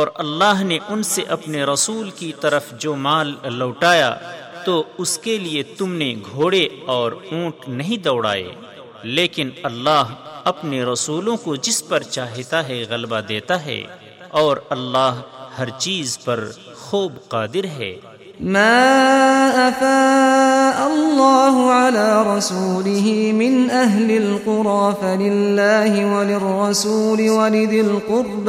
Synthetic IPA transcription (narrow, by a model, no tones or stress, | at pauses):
ɔːɾɐlːaːɦneʔʊnseʔɐpneɾɐsuːlkit̪ɐɾəfd͡ʒoːmaːlːɐːʈaːja̰ | t̪oʊskeliet̪ʊmneɡʱoːɽeɔːɾũːʈnɐɦĩd̪ɐːʊɽa̰ːḛ | leːkɪnɐlːaːɦɐpneɾɐsuːlõkod͡ʒɪspɐɾt͡ʃaːɦt̪aɦɛɣɐlbad̪eːt̪aɦɛ̰ː | ɔːɾɐlːaːɦhɐɾt͡ʃiːzpɐɾ | xuːbqaːd̪ɪɾɦɛ̰ː | maːʔafaːʔalːɑːɦʊʕalaːɾˤɑsuːlɪɦimɪnʔaɦlɪlqʊɾɑːfalɪlːaːɦɪwalɪrːɑsuːlɪwalɪd̪ɪlqʊɾb